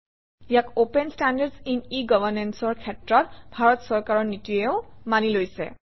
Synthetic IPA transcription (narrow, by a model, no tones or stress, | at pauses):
ijakopɛnstandadsiniɡɔbʱanɛnsɔɹkʰɛtɹɔtbʱaɹɔtsɔɹkaɹɔɹnituɛʊmanilojsɛ̰